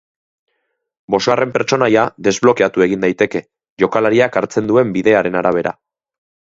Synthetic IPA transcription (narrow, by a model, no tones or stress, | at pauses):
bo̞sare̞mpe̞ɾt͡ʃo̞najaðe̞zβlo̞keat̪ue̞ɣind̪ajt̪e̞ke̞ | ʝo̞kalaɾiakaɾt͡se̞nd̪ue̞mbiðe̞aɾe̞naɾaβ̞e̞ɾa̰